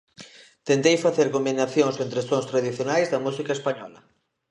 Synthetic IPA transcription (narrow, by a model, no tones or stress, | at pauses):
t̪ent̪ejfaθeɾkombinaθjoŋsent̪ɾest̪oŋst̪ɾaðiθjonajzðɐmusikaespaɲɔlɐ